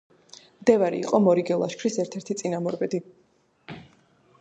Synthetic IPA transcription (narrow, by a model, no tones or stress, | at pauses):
md̪ɛvaɾḭḭqʼɔmɔɾiɡɛlˠa̰ʃkʰɾisɛɾt̪ʰɛɾt̪ʰit̪sʼinamɔɾbɛd̪i